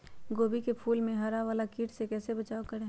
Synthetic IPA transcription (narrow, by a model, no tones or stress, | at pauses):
ɡoːbikepʰuːlmẽɦaɾaʋaːlakiːʈsekɛːsebɐt͡ʃaːokəɾẽː